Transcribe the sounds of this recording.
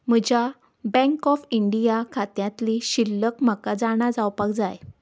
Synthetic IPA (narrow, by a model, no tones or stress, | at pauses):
m̤əd͡ʑa | bɛ̃ŋkɔfiɳɖijakʰat̪jãt̪liɕilːəkm̤əkad͡zaɽ̃ad͡zawpakd͡zaj